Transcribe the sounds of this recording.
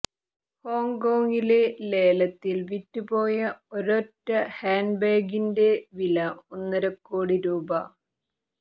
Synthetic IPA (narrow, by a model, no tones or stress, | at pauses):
ho̞ːŋkoːŋɡile̞le̞ːlɐt̪ːilʋitːupo̞ːjɐoɾotːɐhaːnbeːɡinde̞ʋilɐunːɐɾɐkːoːɽiɾuːbɐ